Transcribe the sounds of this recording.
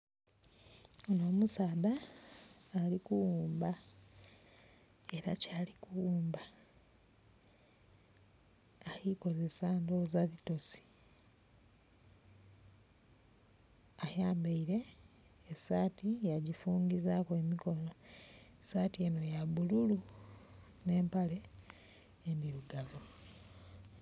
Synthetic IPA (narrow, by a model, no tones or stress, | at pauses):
onoːmusaːðaː | likuwuːmba | e̞ɾacaːlikuwuːmba | aliko̞ze̞saːndozaβito̞si̥ | ajaːmbeiɾe̞ː | saːtijaɟifuːŋɡizakoemiko̞no̞esaːtieno̞jaβululu | ne̞ːmpale̞ː | ndiɾuɡavo